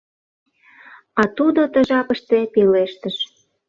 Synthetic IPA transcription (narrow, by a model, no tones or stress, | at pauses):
ɑt̪ud̪ot̪ə̆ʒɑpə̆ʃt̪epileʃt̪əʃ